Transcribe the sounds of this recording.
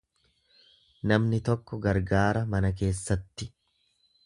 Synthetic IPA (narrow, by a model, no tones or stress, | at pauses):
nɐmnɪt̪ɔkːɔɡɐɾɡaːɾɐmɐnɐk̬e̞ːsːɐt̪ːɪ